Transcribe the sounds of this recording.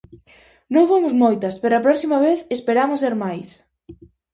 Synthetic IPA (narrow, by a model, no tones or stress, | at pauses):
nõŋfomʊzmojt̪ɐspeɾoɐpɾɔksimɐβ̞eθespeɾamʊseɾmajs